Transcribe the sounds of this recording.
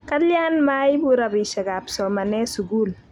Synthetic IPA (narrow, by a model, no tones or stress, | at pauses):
kɐljanmajbuɾabiʃaɡapsɔmɐnɛsuɡul